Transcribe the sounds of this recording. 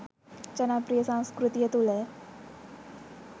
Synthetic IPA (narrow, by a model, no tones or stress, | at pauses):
t͡ɕənapɾijəsãw̃skɾut̪ijət̪ulɛ